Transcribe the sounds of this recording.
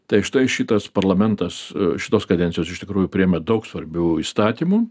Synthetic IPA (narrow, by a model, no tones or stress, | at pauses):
t̪ɐɪʃt̪ɐɪʃʲɪt̪ɐspɐrlˠɐmʲɛnt̪ɐsʃʲɪt̪oːskɐd̪ʲɛnʲtsʲɪjoːsɪʃt̪ʲɪkɾuːjʊpʲɾʲɪɛmʲɛd̪ɐʊksʋɐɾʲbʲuːiːst̪ɑːt̪ʲiːmu